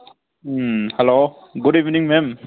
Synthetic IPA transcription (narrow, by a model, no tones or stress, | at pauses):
hɛlo | ɡudivniŋmɛm